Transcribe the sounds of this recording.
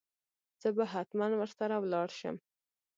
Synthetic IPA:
z̥əbaɦat̪manwəɾsaɾawlɑɽʃə̰m

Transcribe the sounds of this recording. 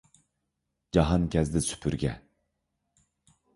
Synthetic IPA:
d͡ʒɑɦɑnkʰʲɛzd̪ɪsy̥pʰyɾɡʲɛ̰

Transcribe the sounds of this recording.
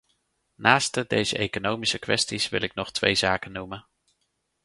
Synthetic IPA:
naːstədejzə̰ʔejkonowmisəkʋɛstisʋɪ̰lɪk̚nɔχtʋḛjzaːkənumən

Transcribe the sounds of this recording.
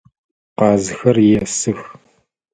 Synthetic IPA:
qɑːzɨxɐrjɛsɨx

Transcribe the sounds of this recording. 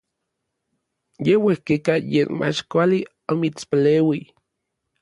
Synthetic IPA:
jewehkekajeːnmʔa̰t͡ʃkʷali | omit͡spaleːwi

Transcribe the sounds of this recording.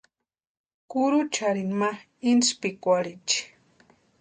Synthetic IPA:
kuɾut͡ʃaɾinma | inspikʷaɾit͡ʃi̥

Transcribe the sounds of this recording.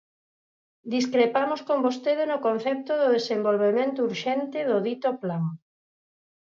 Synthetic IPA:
d̪iskɾepamoskombost̪eðenʊkon̟θɛp̚t̪ʊðʊðesembolβemẽnt̪ʊuɾʃɛnt̪ɪðʊðit̪oplaŋ

